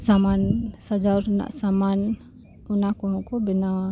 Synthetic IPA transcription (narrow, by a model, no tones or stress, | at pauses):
samansad͡ʒarna̰ʔsaman | unakuukubəna